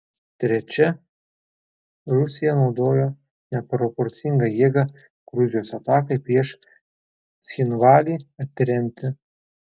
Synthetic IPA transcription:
t̪ʲɾʲɛt͡ʃʲɛ | ɾʊsʲɪjɛnɒʊd̪oːjo | nʲɛpɾɔpɔɾʲt̪sʲɪŋɡɐjiɛɡɐ | ɡ̥ɾʊzʲɪjoːsɐt̪ɑːkɐɪpʲɾʲiɛʃ | t̪sʲxʲɪnʋɑːlʲiːɐt̪ʲːɪɾʲɛmʲt̪ʲɪ

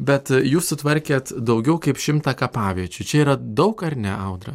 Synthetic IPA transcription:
bʲɛt̪juːssʊt̪ʋɐɾʲkʲeːt̪d̪ɒʊɡʲɛʊkɐɪpʃʲɪmt̪ɑːkɐpɑːʋʲiɛt͡ʃʲʊt͡ʃʲɛiːɾɐd̪ɒʊkɐɾnʲɛɐʊd̪ɾɐ̰

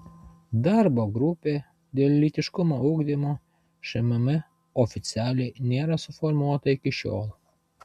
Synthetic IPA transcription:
d̪ɑɾboːɡɾʊpʲeː | d̪ʲeːlʲlʲiːt̪ʲɪʃkʊmoʊɡd̪ʲimoː | ʃʲɛmʲɐmʲɪ | ɔfʲɪt̪sʲɪæːlʲɛɪnʲeːɾɐsʊfɔɾmuɔt̪ɐɪkʲɪʃʲo̰ːlˠ

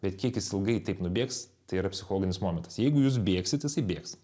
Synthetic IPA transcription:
bʲɛt̪kʲiɛkjɪsɪlˠɡɐɪt̪ɐɪpnʊbʲeːkst̪ɐɪiɾɐpʲsʲɪ̥xolˠoːɡʲɪnʲɪsmoːmʲɛnt̪ɐ̥sjɛɪɡʊjuːs̬bʲeːksʲɪt̪jɪsɐɪbʲeːks

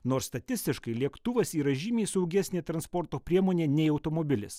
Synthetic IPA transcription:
noːɾsst̪ɐt̪ʲɪsʲt̪ʲɪʃkɐɪlʲiɛkt̪ʊʋɐsiːɾɐʒʲiːmʲeːsɐʊɡʲæsʲnʲeːt̪ɾɐnspɔɾt̪oːpʲɾʲiɛmoːnʲeːnʲɛɪɐʊt̪oːmoːbʲɪlʲɪ̰s

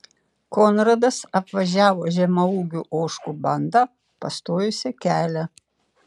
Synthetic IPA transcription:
koːnɾɐd̪ɐsɐpʋɐʒʲæːʋoːʒʲɛmɐuːɡʲuʔoːʃkubɐnd̪ɑ | pɐst̪oːjʊsʲɪkʲæːlʲɛ

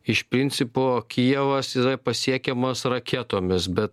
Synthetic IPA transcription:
ɪʃpʲɾʲɪnʲt̪sʲɪpokʲiɛʋɐsiɾɐpɐsʲiɛkʲɛmoːsɾɐkʲɛt̪oːmʲɪsbʲɛt̪̚

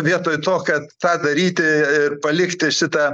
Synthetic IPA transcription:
ʋʲiɛt̪oːjt̪oːkɐt̪t̪ɑːd̪ɐɾʲiːt̪ʲɪɪrpɐlʲɪkt̪ʲɪʃʲɪt̪ɐ

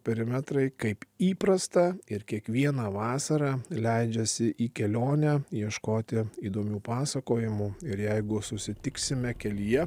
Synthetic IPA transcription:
pʲɛɾʲɪmʲɛt̪ɾɐɪkɐɪpiːpɾɐst̪ɐɪɾkʲiɛkʋʲiɛnɐʋɑːsɐɾɑːlʲɛɪd͡ʒʲɛsʲɪʔiːkʲɛlʲoːnʲɛjiɛʃkoːt̪ʲɪiːd̪oːmʲuːpɑːsɐkoːjɪmuɪɾjɛɪɡʊsʊsʲɪt̪ʲɪksʲɪmʲɛkʲɛlʲijɛ

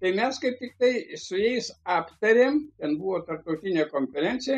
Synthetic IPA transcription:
t̪ɐɪmʲɛskɐɪp̚t̪ʲɪk̚t̪ɐɪsʊjɛɪsɑːpt̪ɐɾʲeːmtʲɛnbuʋoːt̪ɐrp̚t̪ɐʊt̪ʲɪnʲeːkoːnʲfʲɛɾʲɛnʲtsʲɪjɛ

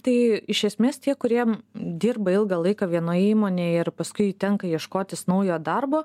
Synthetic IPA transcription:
t̪ɐɪɪʃʲɛsʲmʲeːst̪ʲiɛkʊɾʲiɛd̪ʲiːrbɐɪlˠɡɐlˠɐɪkɐʋʲiɛnoːjiːmoːnʲeːɪɾpɐskʊɪt̪ʲɛŋkɐjiɛʃkoːt̪ʲɪsnɐʊjoːd̪ɐrboː

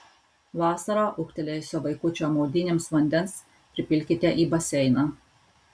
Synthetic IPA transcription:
ʋɑːsɐɾoːʔʊkt̪ʲɛlʲejsʲʊʋɐɪkʊt͡ʃʲoːmoːd̪ʲɪnʲeːmsʋɐnʲd̪ʲɛns | pʲɾʲɪpʲɪlʲkʲɪt̪ʲɛʔiːbɐsʲɛɪnɑ

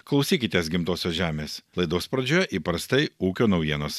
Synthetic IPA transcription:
klˠɐʊsʲiːkʲɪt̪ʲeːs̬ɡʲɪmt̪oːsʲoːʒʲæːmʲeːslˠɐɪd̪oːspɾɐd͡ʒʲoːjɛʔipɐɾst̪ɐɪuːkʲoːnɐʊjiɛnoːs

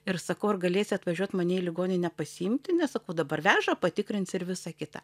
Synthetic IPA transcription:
ɪrsɐkɐʊɐrɡɐlʲeːsʲɪɐt̪ʋɐʒʲuɔt̪mɐnʲeɛɪlʲɪɡoːnʲɪnʲɛpɐsʲɪɪmʲt̪ʲɪnʲɛssɐkɐʊd̪ɐbɐrʋʲæːʒɐpɐt̪ʲɪkɾʲɪnt̪sɪɾʋʲɪsɑkʲɪt̪ɐ̰

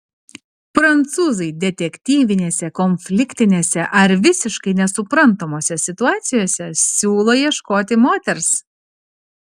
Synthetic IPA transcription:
pɾɐnt̪suːzɐɪd̪ʲɛt̪ʲɛkʲt̪ʲiːʋʲɪnʲeːsʲɛkɔnʲfʲlʲɪkʲt̪ʲɪnʲeːsʲɛʔɐɾʋʲɪsʲɪʃkɐɪnʲɛsʊpɾɐnt̪oːmoːsʲɛsʲɪt̪ʊɑːt̪sʲɪjoːsʲɛsʲuːlˠoːjiɛʃkoːt̪ʲɪmoːt̪ʲɛɾs

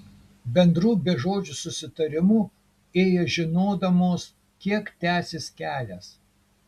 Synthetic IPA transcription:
bʲɛnd̪ɾuːbʲɛʒoːd͡ʒʲuˑsʊsʲɪt̪ɐɾʲɪmuː | eːjɛʒʲɪnoːd̪ɐmoːs | kʲiɛkt̪ʲæːsʲeskʲæːlʲæːs

